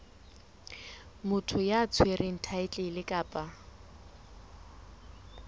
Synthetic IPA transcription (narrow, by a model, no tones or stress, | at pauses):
mʊtʰʊjat͡sʰwerʔɪŋ̩tʰaɪt͡ɬʼɪlɪkʼaːpʼa